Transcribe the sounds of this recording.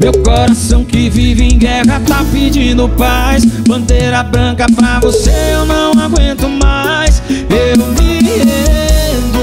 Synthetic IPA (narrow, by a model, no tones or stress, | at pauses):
mewkoɾasɐ̃w̃kɪviɪvɪẽj̃ɡɛɦɐt̪apid͡ʒĩd̪ʊpajsbɐ̃nd̪eɾɐbɾɐ̃kɐpɾɐvoseewnɐ̃w̃aɡwẽnt̪ʊma | jsewmɪved̪ʊ